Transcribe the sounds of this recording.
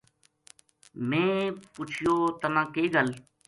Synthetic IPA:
mẽːpʊt͡ʃʰɪjoːt̪əmãːkeːɡəl

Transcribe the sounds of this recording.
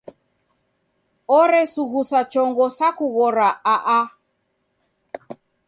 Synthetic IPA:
ɔɾɛsuɣusat͡ʃɔŋɡɔsakuɣɔɾaʔaʔa

